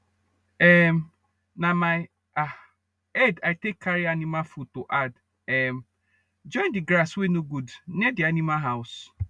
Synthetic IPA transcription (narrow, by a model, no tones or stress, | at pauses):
ɛm | nãmaɪ | a | ɛdaɪtekʰːaɾianimafutoʔad | ɛm | d͡ʒɔ̃ɪ̃ndɪɡɾaswenoɡudnɛdɪanĩmaɦaʊs